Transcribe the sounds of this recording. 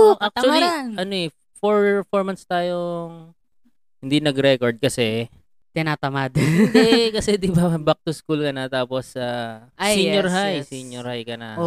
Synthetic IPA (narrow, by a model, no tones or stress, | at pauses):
oʔak̚t͡ʃɐt͡ʃwɐlianʔɐnoʔɛ | foɹfoɹmɐnst̪aːjo | hɪnd̪inɐɡɾɛkoɹd̪̚kɐsɛ | t̪ɪnaːt̪ɐmad̪ɛkɐsɛd̪ɪbaɐbak̚t̪ʊskulkɐnɐt̪aːposaasiɲɔɾɦajsiɲjoɾhajkɐnao